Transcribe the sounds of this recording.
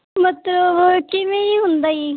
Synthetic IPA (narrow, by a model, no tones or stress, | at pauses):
mət̪ləbkɪʋẽiɦʊnd̪aːiː